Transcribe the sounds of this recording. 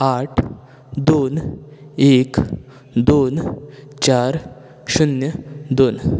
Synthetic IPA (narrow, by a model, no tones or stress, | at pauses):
aʈʰ | d̪oːn | ek | d̪on | t͡ɕaɾ | ɕunjəd̪oːn